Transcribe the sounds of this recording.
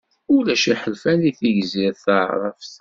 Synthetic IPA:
ulæʃiħəlfæniθiʝziɾθəʕɾˤə̰fθ

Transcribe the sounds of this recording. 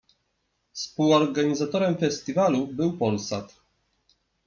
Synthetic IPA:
spuwɔɾɡaɲizat̪ɔɾɛmfɛsʲt̪ʲivalubɘwpɔlsat̪

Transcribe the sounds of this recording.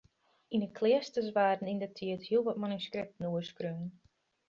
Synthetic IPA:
inəkʰlɪəstəsʋaːdn̩indətʰiəthiəlˠʋɔt̚manyskrɪp̚tnuəskryn

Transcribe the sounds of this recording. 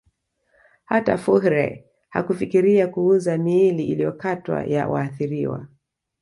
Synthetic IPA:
hata̰fuhɾɛ̰ | ha̰kufikiɾiakuuzamiːliʔilijɔkatwa̰ja̰waːθiɾiwa̰

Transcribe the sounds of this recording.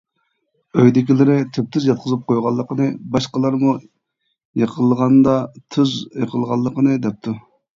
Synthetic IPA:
øjd̪ɪkʲilɪɾɪt̪ʰøp̚t̪ʰyzjɑt̪̚qʰəzɨp̚qʰojʁɑlˠːəqʰənɨbɑʃqəlˠɑɾmu | jeqʰəlˠəʁɑnd̪ɑt̪ʰyzjəqʰəlˠʁɑlˠːəqənɨd̪ɛp̚t̪ʰu

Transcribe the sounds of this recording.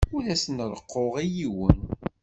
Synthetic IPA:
ulæsənɾˤəqːoʁijiwə̰n

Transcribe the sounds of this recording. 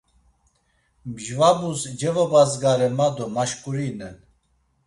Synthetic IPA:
mʒvabusd͡ʒɛvɔbazɡaɾɛmad̪ɔmaʃkʼuɾinɛn

